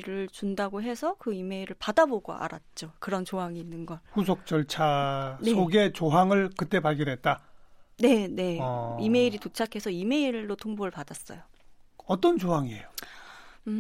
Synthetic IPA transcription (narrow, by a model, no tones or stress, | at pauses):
ɾɯɭt͡ɕundaɡoɦe̞sʰʌkɯime̞iɾɯɭpadaboɡo̰a̰ɾa̰t̚t͡ɕ͈okɯɾʌnt͡ɕoɦaŋiːnːɯnɡʌnɸusʰok̚t͡ɕ͈ʌɭt͡ɕʰaneoɡe̞t͡ɕoɦaŋɯɭkɯt͈e̞paɭɡʌnɦe̞t̚t͈ane̞ne̞ime̞iɾitot͡ɕʰakʰe̞sʰʌime̞iɭːotʰoŋboɾɯɭpadas͈ʌ̰joʌt͈ʌnt͡ɕoɦaŋiejo